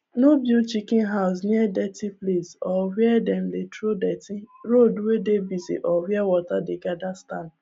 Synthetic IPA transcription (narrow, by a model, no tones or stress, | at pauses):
nobjut͡ʃikɪ̃nɦaʊs̬niɛdɛtiplesɔwjɛdɛm̩detɾodɛtiɾodwedebizḭʔɔwjɛwɔtadɪɡadastan